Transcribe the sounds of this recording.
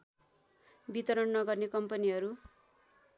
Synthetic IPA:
bit̪ʌɾʌnnʌɡʌrnekʌmpʌniɦʌɾu

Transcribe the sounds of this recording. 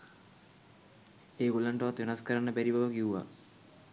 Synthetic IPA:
eːɡolaɳʈəʋat̪ʋenaskəɾanːəbæɾibaʋəkiuʋa̰

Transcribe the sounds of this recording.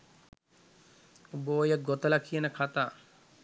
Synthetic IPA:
uboːjəɡot̪ɐlakʰijənəkʰat̪aː

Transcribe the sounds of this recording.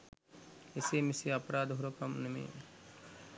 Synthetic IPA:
eseːmiseɐpɾaːd̪ɦuɾokɐmnɐmḛː

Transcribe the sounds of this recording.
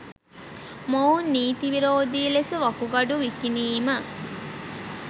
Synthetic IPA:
mownːiːt̪iʋiɾoːd̪ilesəʋɐkuɡɐɖuʋikiniːmə

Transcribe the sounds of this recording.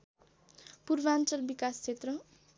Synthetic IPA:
purbant͡sʌlbikast͡sʰet̪rʌ

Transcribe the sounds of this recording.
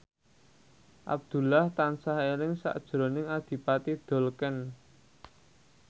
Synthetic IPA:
ʔa̰b̚d̪̥ṳlaht̪ansahelɪŋsa̰ʔd̥ʒ̥ɾo̤nɪŋad̪̥i̤pat̪id̪̥o̤lkən

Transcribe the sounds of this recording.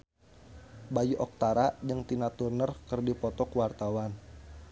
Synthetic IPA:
bajuʔɔk̚t̪aɾadəŋt̪inat̪urnərkərdipɔt̪ɔkuwart̪awan

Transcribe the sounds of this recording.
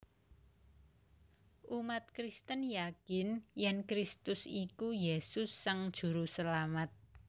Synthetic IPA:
ʔumat̪̚kɾist̪ənjakɪnjɛnkɾist̪ʊsikujesʊsːaŋd̥ʒ̥ṳɾusəlamat̪̚

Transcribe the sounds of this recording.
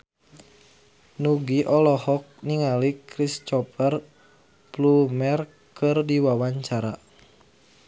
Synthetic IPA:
nuɡiʔɔlɔhɔk̚niŋalikɾist͡ʃɔpər | plumɛr | kɨrdiwawaɲt͡ʃaɾa

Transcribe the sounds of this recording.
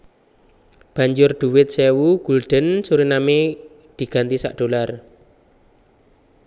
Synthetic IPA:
b̥a̤ɲd͡ʒʊrd̪̥uwɪt̪̚sewuɡ̥ulɖ̪̥ə̤nsuɾiname | d̪̥i̤ɡ̥a̤nt̪isa̰ʔd̥o̤lar

